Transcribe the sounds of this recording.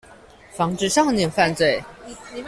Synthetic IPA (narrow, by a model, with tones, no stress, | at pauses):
fɑ˧˥ŋʈ͡ʂɻ̩˥˧ʂɑ˥˩ŋnjɛ˥˧nfa˥˧nt͡swe˥˩ɪ